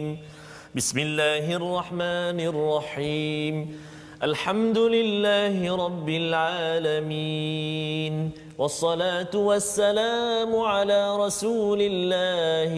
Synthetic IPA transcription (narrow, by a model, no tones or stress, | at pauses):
m | bɪsmɪlːaːɦɪʔɑrˤːɑħmaːnɪrˤːɑħiːm | ʔalħamd̪ʊlɪlːaːhɪɾˤɑbːɪlʕaːlami | n | wɑsˤːɑlaːt̪ʊwasːalaːmʊʕalaːɾˤɑsuːlɪlːaːh